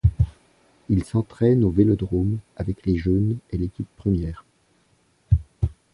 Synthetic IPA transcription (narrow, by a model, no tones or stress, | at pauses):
ilsɑ̃t̪χɛnovelɔd̪ʁomavɛkleʒonelekʲipːχəmjɛːʁ